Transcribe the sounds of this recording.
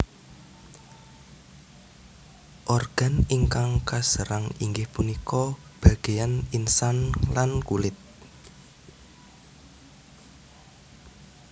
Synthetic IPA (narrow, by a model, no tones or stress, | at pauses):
ʔɔrɡ̥a̤niŋkaŋkasəɾaŋiŋɡɪhpunikɔb̥ä̤ɡ̥ejaninsanlankulɪt̪̚